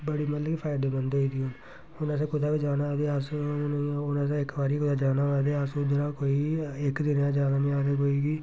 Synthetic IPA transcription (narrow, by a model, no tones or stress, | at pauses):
bəɽiːmət̪ləkipʰaːɪd̪eːbənd̪eːiːd̪ion | ʊnas̬ãːkʊd̪aːbiːd͡ʒaːnaːd̪eːas | ʊnaːs̬ãɪkbaːɾiːkʊd̪aːd͡ʒaːnaːʋaːd̪eːasũːd̪ɪnãːkoːiːɪkd̪ɪnjãːd͡ʒaːnaːmĩaːd̪eːkoːiːɡiː